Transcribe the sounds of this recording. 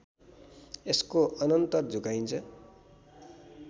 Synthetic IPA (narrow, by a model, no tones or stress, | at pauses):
eskoʔʌnʌnt̪ʌrd͡zukajnt͡sʰʌ